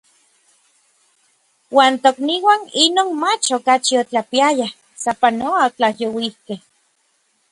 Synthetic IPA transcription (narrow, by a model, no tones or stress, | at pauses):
waːnt̪okniwaːninoːnmat͡ʃokat͡ʃiot͡ɬapiajah | sapanoot͡ɬahjowihkeh